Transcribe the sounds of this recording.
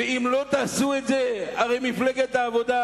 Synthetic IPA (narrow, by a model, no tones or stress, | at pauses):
eimlo̞t̪aːsuet̪zeaʁejmifleɡet̪aːvo̞d̪a